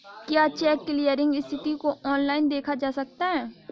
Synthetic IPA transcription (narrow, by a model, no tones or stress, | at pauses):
kjaːt͡ʃɛːkːɪlijəɾɪ̃ŋɡɪst̪ʰɪʈ̪ikoɔːnlaːɪnd̪eːkʰad͡ʒaːsɐk̚t̪aɦɛː